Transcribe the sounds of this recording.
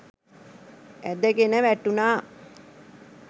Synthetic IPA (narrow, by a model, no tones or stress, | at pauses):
æd̪əɡenəʋæʈːunaː